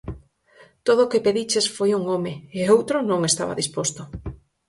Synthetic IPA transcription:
t̪oðokepeðit͡ʃesfojuŋomeeowt̪ɾonõŋest̪a̰βa̰ðispost̪ʊ

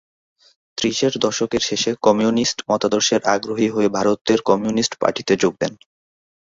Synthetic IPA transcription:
t̪ɾiʃeɾd̪ɔʃokeɾʃeʃekɔmiunisʈmɔt̪ad̪oɾʃeɾaɡɾoɦiɦoebʱaɾot̪̚ːeɾkɔmijunisʈpa̰ʈʰit̪ed͡ʑoɡ̚d̪en

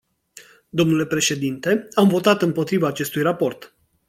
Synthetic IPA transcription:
d̪o̞mnule̞pɾe̞ʃe̞d̪int̪e̞amvo̞t̪at̪ɨmpo̞t̪ɾivaːt͡ʃe̞st̪ujrapo̞rt̪

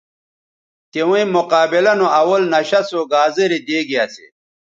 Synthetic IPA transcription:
t̪ewũĩmoqaːbilɐnoɐwɐlnɐɕɐsoɡaːzeɾid̪eːɡiasḛ

